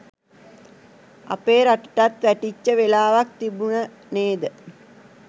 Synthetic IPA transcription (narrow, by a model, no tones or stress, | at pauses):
a̰peːɾaʈə̥ʈat̪ʋæʈit͡ʃːəʋelaːʋak̚t̪ibunə | neːd̪ə